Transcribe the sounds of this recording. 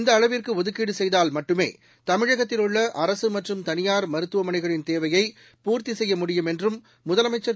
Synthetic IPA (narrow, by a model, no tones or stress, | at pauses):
ɪnd̪ɐːɻɐʋirkɯɔðɯkːiːɽɯsɛjðaːlmɐʈːɯmḛː | t̪ɐmɪɻɐɣɐt̪ːɪlɯɭːɐʔɐɾɐsɯmɐʈrɯmt̪ɐnɪjaːɾmɐɾɯt̪ːɯʋɐmɐnɐɪɣɐɭɪnt̪eːʋɐjɐɪ | puːɾt̪isɛjːɐmʊɽɪjɯmɛndrɯmː | ʊðɐlɐmɐɪt͡ʃːɐ